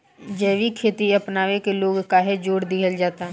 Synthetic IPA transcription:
d͡ʒɛːʋikʰeːt̪iɐpnaːʋekeloːɡkaːɦed͡ʒoːɽd̪ɪɦəld͡ʒaːt̪aɦɛ

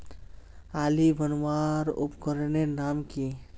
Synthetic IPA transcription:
alibʱənwaɾṵpkəɾnenamki

